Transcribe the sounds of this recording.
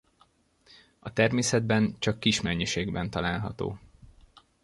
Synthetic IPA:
ɒt̪ɛrmeːsɛd̪̚bɛnt͡ʃɒkːiʃmɛɲːiʃeːɡbɛnt̪ɒlaːlɦɒ̰t̪o̰ː

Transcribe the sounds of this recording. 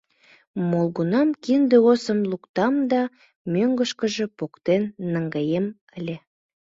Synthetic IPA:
molˠɣunɑmkind̪eosəmlukt̪ɑmd̪ɑ | mʲøŋɡə̆ʃkə̆ʒĕpokt̪enːəŋɡɑjem | əlʲe

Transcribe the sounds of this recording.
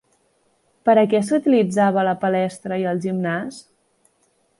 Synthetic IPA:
pəɾəkɛsut̪ilid͡zaβ̞ələpəlɛst̪ɾəiəlˠʒimnas

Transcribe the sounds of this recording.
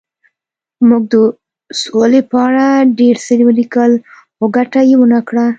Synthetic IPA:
muɡ̚d̪ə | solepəaɽaɖeɾsəɾiwlikəl | ʊɡaʈajewənakɽa

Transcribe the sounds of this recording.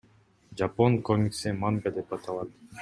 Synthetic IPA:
d͡ʒapo̞ŋkomʲiksemaŋɡad̪e̞pɑt̪ɑlˠɑt̪

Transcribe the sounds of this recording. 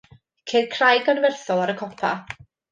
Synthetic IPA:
kʰeːdkʰrajɡɔnvɛrθɔlˠaɾəkʰɔpʰa̰

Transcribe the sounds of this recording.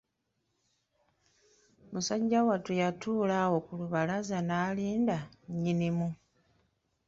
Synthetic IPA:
musaɟːawatujatuːlawo̞kuluβalazanaːliːndaɲːinimu

